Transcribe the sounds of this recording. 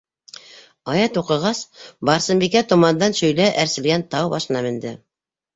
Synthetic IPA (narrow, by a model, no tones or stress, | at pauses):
ɑjɑt̪uqɤ̆ʁɑsbɑɾsɤ̆mbikæt̪ŏmɑnd̪ɑnʃɵ̆jlæʔæɾsɘ̆lɡænt̪ɑwbɑʃɤ̆nɑmɘ̆nd̪ɘ